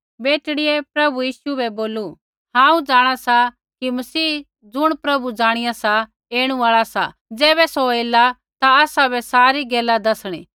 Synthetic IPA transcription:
beːʈɽɪɛpɾɐbujiːʃuɛboːlu | ɦãːũd͡ʒaːɽ̃asa | kimɐsiː | d͡zʊɽ̃pɾɐbud͡ʒaːɽ̃ɪjasa | eːɽ̃ũaːɭasa̰ | d͡zɛːbɛsoeːla | t̪aaːsabɛsaːɾiɡɛːlad̪ɐsɽ̃ḭː

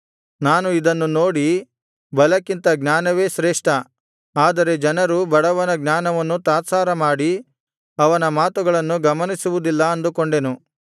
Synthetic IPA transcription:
naːnuid̪ɐnːuno̞ːɽi | bɐlɐkint̪ɐɡnaːnɐʋe̞ːʃɾeːʂʈɐ | aːd̪ɐɾe̞d͡ʒɐnɐɾubɐɽɐʋɐnɐɡnaːnɐʋɐnːut̪aːt̪saːɾɐmaːɽi | ɐʋɐnɐmaːt̪uɡɐɭɐnːuɡɐmɐnisuʋud̪ilːɐɐnd̪ukoɳɖe̞nu

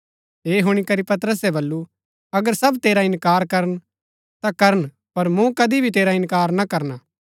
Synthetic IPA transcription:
ɦeːɦʊɽ̃ikɐɾipɐt̪ɾəs̬ɛbɐlːu | ɐɡəɾsɐbt̪eːɾaɪnkaːɾkɐɾən | t̪akɐɾəɳ | pɐɾmũkɐd̪ibʱit̪eːɾaɪnkaːɾnakɐɾnaː

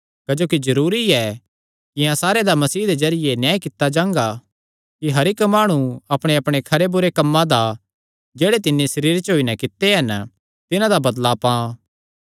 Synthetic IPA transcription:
kɐd͡ʒoːkizɐɾuːɾiɛ | kɪjãsaːɾed̪amɐsiːɦd̪ed͡ʒɐɾɪjenjãːikɪt̪ːad͡ʒãːŋɡa | kiɦɐɾɪkmaːɽ̃ũɐpɽ̃eɐpɽ̃ekʰɐɾebʊɾekɐmːãd̪a | d͡ʒeːɽet̪ɪnːesɐɾiːɾt͡ʃɦoːinɛkɪt̪ːeɦɐnə | t̪ɪnãd̪abɐd̪lapãː

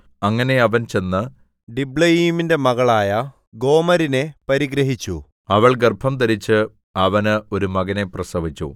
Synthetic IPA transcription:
ɐŋːɐne̞ɐʋɐnt͡ɕe̞nːɨ | ɖibɭɐjiːminde̞mɐɣɐɭaːjɐ | ɡo̞ːmɐɾine̞pɐɾiɡɾɐɦit͡ɕːu | ɐʋɐɭɡɐrbʱʰɐmt̪̬ɐɾit͡ɕːɨ | ɐʋɐnɨo̞ɾumɐɣɐne̞prɐsɐʋit͡ɕːṵ

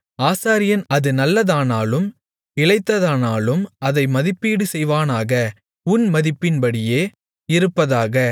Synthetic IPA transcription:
aːsaːɾɪjɐnɐðɯnɐlːɐðaːnaːlɯm | ɪɭɐɪt̪ːɐðaːnaːlɯmɐðɐɪmɐðɪpːiːɽɯsɛjʋaːnaːɣɐ | ʊnmɐðɪpːɪnbɐɽɪjeː | ɪɾɯpːɐðaːɣɐ

